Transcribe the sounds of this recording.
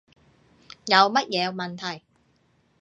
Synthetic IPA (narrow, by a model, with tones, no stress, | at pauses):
jɐ˨˧wmɐ˥t̚jɛː˨˧mɐ˨nt̪ʰɐ˨˩j